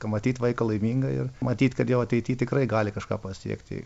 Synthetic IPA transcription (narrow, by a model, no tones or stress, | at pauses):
kɐmɐt̪ʲiːt̪ʋɐɪkɐlˠɐɪmʲiːŋɡɐɪ̰rmɐt̪ʲiːt̪kɐt̪jɛʊɐt̪ʲɛɪtʲiːt̪ʲɪkɾɐɪɡɑːlʲɪkɐʃkɑːpɐsʲḭɛkt̪ʲɪ̰